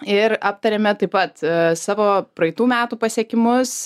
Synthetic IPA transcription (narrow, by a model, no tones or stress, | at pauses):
ɪɾɑːp̚t̪ɐɾʲeːmʲɛt̪ɐɪpɐt̪sɑːʋoːpɾɐɛɪt̪uːmʲæːt̪uːpɐsʲiɛkʲɪmʊs